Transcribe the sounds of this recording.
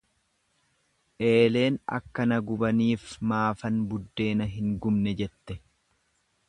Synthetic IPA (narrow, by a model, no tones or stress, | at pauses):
ʔe̞ːle̞ːnɐ̰kːɐnɐɡʊbɐniːfmaːfɐnbʊd̪ːe̞ːnɐɦɪŋɡʊmnɛd͡ʒɛt̪ːɛ